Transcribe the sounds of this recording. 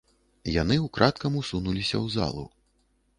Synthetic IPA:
janɨwkɾʔat̪kɐmusunulʲisʲɐ̰wza̰lˠṵ

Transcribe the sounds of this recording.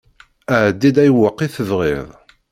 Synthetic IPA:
æʕd̪ːid̪æjwəqːiθəvʁiðˤ

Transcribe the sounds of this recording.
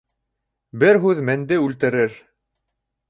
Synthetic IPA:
bɘɾɦʉðmænd̪ɘʉlt̪ɘ̆ɾɘɾ

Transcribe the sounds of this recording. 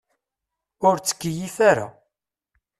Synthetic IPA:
ʊɾt͡sːə̥kːijifaɾa̰

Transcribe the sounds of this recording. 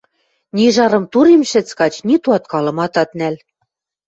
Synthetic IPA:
nʲiʒɑɾɤ̆mt̪uɾemʃɘ̆t͡skɑt͡ɕnit̪uɑt̪kɑlɤ̆mɑt̪ɑt̪næl

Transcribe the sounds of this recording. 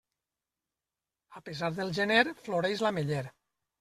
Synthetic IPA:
apezaɾðelˠʒeneɾfloɾejzlameʎeɾ

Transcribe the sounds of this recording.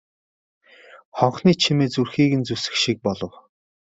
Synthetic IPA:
χɔɴχniːt͡ɕʰimeːt͡surxiːɣɘ̆nt͡susɘ̥̆kʃik̚pɔɮɞ̆w

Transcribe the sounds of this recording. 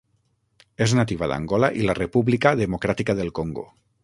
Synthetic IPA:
eznat̪iβaða̰ŋɡɔlaʔilarepuβlikaðemokɾat̪ikaðelˠkoŋɡo̰

